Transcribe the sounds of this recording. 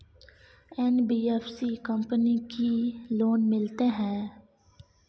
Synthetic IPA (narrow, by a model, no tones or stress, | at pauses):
ɛnbiːɛfsikəmpənikiloːnmɪlt̪eɦɛ̃ː